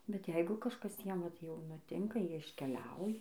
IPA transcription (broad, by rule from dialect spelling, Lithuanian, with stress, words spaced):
bʲɛt ˈjɛɪɡʊ kɐʃˈkɐs ˈjiɛm ʋɐt jɛʊ nʊˈtʲɪŋkɐ ˈjiɛ ɪʃʲkʲɛˈlʲɛʊjɛ